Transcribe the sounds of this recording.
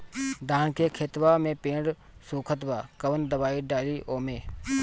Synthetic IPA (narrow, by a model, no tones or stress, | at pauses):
d̪aːnkekʰeːt̪ʋaːmẽːpẽːɳɖ | suːkʰət̪ʋaːkəʋənd̪əʋaːiɖaːliːʔoːmẽː